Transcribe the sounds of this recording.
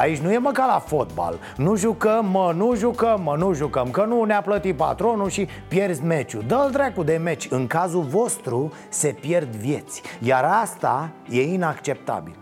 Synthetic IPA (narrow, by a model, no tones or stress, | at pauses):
ait͡ʃʲnuje̞məkalafo̞t̪̚ba̰l | nuʒukəmːənuʒukəmːənuʒukəmkənuneaplət̪ipa̰t̪ɾo̞nuʃi | pje̞rzme̞t͡ʃud̪əld̪ɾakud̪e̞me̞t͡ʃʲɨŋkazulvo̞st̪ɾu | se̞pje̞rd̪vje̞t̪sʲjaɾast̪a̰je̞inakt͡ʃe̞p̚t̪a̰bḭl